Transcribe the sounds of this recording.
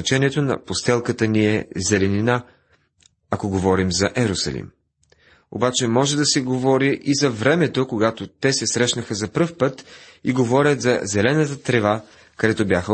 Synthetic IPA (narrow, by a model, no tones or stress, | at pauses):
ɐt͡ʃɛniɛt̪onɐ̰post̪ɛlˠkət̪əniɛzɛlɛnina | ɐkoɡovɔɾimzɐʔɛɾʊsɐ̰lḭm | o̰bat͡ʃɛmɔʒɛd̪ɐsɛɡovɔɾiʔizɐvɾɛmɛt̪okoɡat̪ot̪ɛsɛsɾɛʃnəxəzɐpɾɤfpɤt̪iɡovɔɾʲət̪zɐ̰zɛlɛnət̪ət̪ɾɛva | kɐd̪ɛt̪obʲjaxə